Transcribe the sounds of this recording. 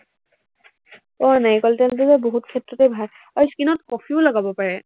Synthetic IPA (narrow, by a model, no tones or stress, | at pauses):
pɔanajkɔltɛnt̬uzɛboɦutkʰɛtɹɔtɛbʱal | ɔjskinɔtkɔpʰiʊlaɡabɔpaɹɛ